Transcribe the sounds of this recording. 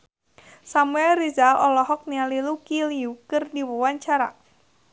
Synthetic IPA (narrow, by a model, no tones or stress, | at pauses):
samuɛlrizalɔlɔɦɔk̚nialilukiliukɨrdiwɔwaɲt͡ʃaɾa̰